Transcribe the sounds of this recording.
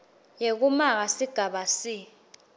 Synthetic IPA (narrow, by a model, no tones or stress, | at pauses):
jek̬umak̬asiɡ̥ʱaɓasi